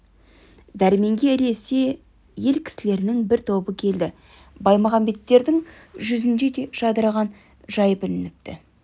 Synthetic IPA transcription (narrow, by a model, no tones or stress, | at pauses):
d̪æɾme̞ŋɡʲe̞ɾe̞se̞ | je̞lkʲʰɪ̥sɪle̞ɾɪnɪŋbɪɾt̪ʰo̞bəkʲʰe̞ld̪ɪ | bɑjmɑʁɑmbe̞t̪ːe̞ɾd̪ɪŋ | ʒʏzɪnd̪e̞d̪e̞ʒɑd̪əɾɑʁɑn | ʒɑjpɪlɪnɪp̚t̪ɪ̰